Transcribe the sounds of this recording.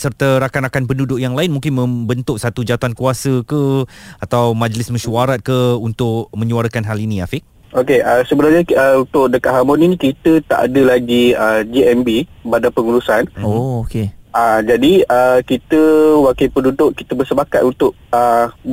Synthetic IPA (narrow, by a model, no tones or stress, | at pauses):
sərt̪əɾakanakanpəndudʊʔjaŋlaɪnmũŋkɪnmə̃mbənt̪ʊʔ̚sat̪ud͡ʒat̪uankuasəkəat̪awmãd͡ʒlɪsmə̃ʃuaɾat̪̚kəunt̪ʊʔmə̃ɲuaɾəkanɦalinĩafɪʔ | okeʔəsəbənarɲaəunt̪ʊʔ̚dəkaʔ̪̚ɦamoninĩkit̪ət̪a̰ʔa̰dəlaɡiəd͡ʒiɛmbibadapəŋuɾusanookeʔad͡ʒadiəkit̪əwakəpəndudʊʔkit̪əbəsəpakat̪unt̪ʊʔ̚ə